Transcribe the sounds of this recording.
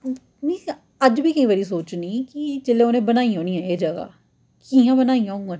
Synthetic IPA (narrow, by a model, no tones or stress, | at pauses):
ni | əd͡ʒbʱiːkəĩːʋəːɾiːsoːt͡ʃniːkit͡ʃɪlẽoːnẽːbənaːiɦoːnijãeːd͡ʒəɡa̰ː | kiãːbənaːiãːɦõɡãː